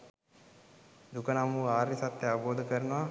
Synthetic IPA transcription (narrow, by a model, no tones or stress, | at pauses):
d̪ukənamuːaːɾisat̪ːeaʋboːd̪ʱəkəɾənəʋa